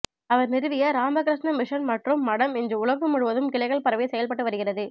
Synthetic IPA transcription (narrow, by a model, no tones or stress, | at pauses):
ɐʋɐɾnɪɾɯʋɪjɐɾaːmbɐkɾɪʂnɐmɪʂɐnmɐʈrɯmːɐɽɐmɪndrɯʊɭɐɣɯmʊɻʊʋɐðɯmkɪɭɐɪɣɐɭpɐɾɐʋɪsɛjɐlpɐʈːɯʋɐɾɯɣɪrɐðɯ